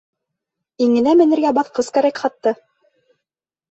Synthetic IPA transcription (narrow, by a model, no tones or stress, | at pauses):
iŋɘ̆næmɘ̆nɘ̆ɾɡæbɑθqɤskæɾækχɑt̪ːɤ